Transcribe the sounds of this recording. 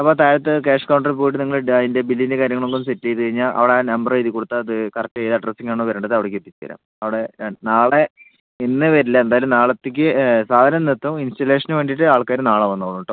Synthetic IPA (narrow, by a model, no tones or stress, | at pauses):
ɐpːoːt̪aːjɾɐt̪̬ːɨkeːʂkɐwɳɖɐrp̬ojiʈːɨniŋːɐɭinde̞bilːiindekaːɾjɐŋːɐɭoŋɡomsetːejt̪ːɨkɐɻiɲːaːɭʔɐ̰ʋiɽenɐmbɐreiðikːoɽut̪ːaɐðɨkɐrɐk̚tːɨejðɨɐɖrɐsiŋːaːɳoʋɐɾuːɳɖɐðɨɐʋiɽekːet̪ːit͡ɕːɨɐ̰ɾa̰ːm | ɐʋiɽenaːɭe | inːɨʋɐɾilːɐend̪aːjɐlumnaːɭɐt̪ːek̬ʲːɨsaːd̪ʱaːɐnɐnet̪ːuminstɐle̞ːʂɐnuʋe̞ːɳɖiʈːɨaːɭkaːɾunaːɭɐʋɐnːɐkːonːuɳʈːo